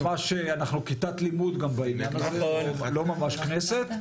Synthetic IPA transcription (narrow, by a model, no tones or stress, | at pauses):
maʃeanaχnukit̪at̪limud̪ɡambainjanazeolo̞mamaʃkneset̪